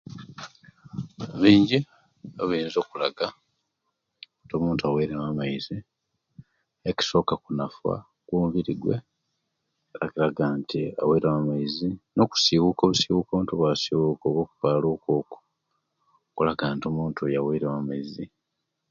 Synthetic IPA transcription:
βiːɲɟi | oβiːnzo̞ːkulaɡa | nto̞ːmuːntuaweːɾemamaizi | eci̥so̞ːkakunafwa̰ | kwoːmviɾiɡwḛ | eɾakiɾaɡaːntiaweɾamamaizino̞ku̥siwukoβusiwukoβntuβwasiwukoβwoːku̥paːloːko̞ːku̥ | kulaɡaːntiomuːntujaweɾamamaizi

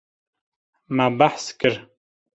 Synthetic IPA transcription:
mabaħskɨɾ

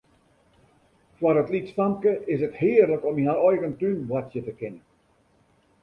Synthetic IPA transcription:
fwarətlitsfamkəʔɪsəthɪːərləkɔminaɔjɣəntynwatjətəkɪnə

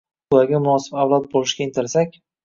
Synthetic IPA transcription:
ʊlaɡʲamʊnɒsɪ̥bavlˠat̪̚bolˠɪʃɡʲaɪnt̪ʰɪɾsakʲ

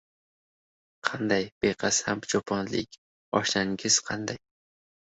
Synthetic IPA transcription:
qʰɑnd̪ɑjb̥eqʰæshæmt͡ʃʰopʰɒnlɪ̰kʲ | ɒ̰ʃnaŋɡʲɪz̥qʰɑnd̪aj

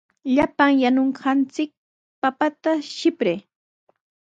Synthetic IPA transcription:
ʎapaŋjanoɴɢɑnt͡sɪk̚ | papat̪aʃɪpɾeː

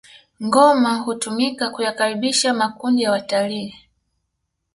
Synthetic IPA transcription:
ŋɡɔmaɦutumikakujakaɾiɓiʃamakundijawataliː

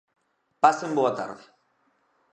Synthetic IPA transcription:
pasemboat̪a̰ɾðe

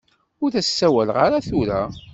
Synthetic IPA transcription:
ʊɾθæsːæwælʁaɾaθuɾæ

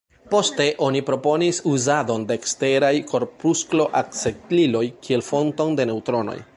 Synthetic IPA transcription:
po̞ste̞ʔo̞nipɾo̞po̞nisuzado̞ndeːkste̞ɾajko̞ɾpusklo̞ʔak̚t͡seklilo̞jkʰie̞lfo̞nto̞nde̞ne̞wtɾo̞no̰j

